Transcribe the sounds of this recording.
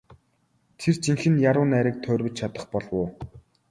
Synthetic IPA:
t̪ʰert͡ɕiŋxɘ̆njaɾʊːnæːɾiːk̚t̪ʰœːrwɵ̆t͡ɕt͡ɕʰat̪ə̆χpɔɮwʊː

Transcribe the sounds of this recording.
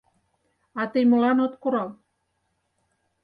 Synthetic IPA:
ɑt̪ɘjmɤ̆lɑnot̪koɾɑl

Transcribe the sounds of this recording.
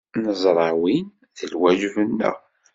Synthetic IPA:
nəzˤɾˤɑwin | θəlwæʒvənːə̰

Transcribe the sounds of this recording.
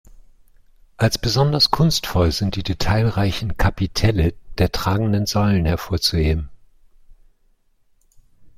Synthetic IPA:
ʔalsb̥əzɔndɐskʰʊnstfɔlzɪnt̚d̥iːdetʰaɪlʁaɪçn̩kʰapitʰɛləd̥eːɐtʁ̥aːɡŋ̩dənzɔʏlənhɛɐfoːɐt͡suheːbm̩

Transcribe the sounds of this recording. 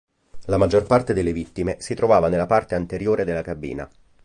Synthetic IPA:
lamad͡ʒːorpart̪ed̪elːevit̪ːimesit̪ɾovaːvanelːapart̪eant̪eɾjoːɾed̪elːakabḭːna̰

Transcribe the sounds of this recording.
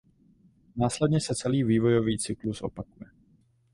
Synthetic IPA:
naːslɛd̪ɲɛsɛt͡sɛliːviːvo̞joviːt͡sɪklusʔo̞̰pakujɛ

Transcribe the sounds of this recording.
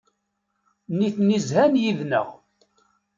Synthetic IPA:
niθnizhænjiðnə̰ʁ

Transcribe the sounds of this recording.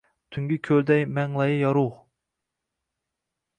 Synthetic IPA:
t̪ʰyŋɡʲikʲʰøld̪ɛjmɛŋlˠɑjɨjɑɾuʁ

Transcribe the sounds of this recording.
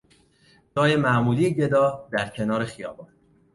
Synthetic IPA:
d͡ʒɒːjemæʔmuːliːeɟe̞d̪ɒːd̪æɾcʰe̞nɒːɾe̞xijɒ̰ːbɒːn

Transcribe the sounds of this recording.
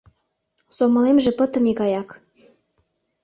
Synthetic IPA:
somɤ̆lemʒĕpə̆t̪ə̆miɣɑjɑk

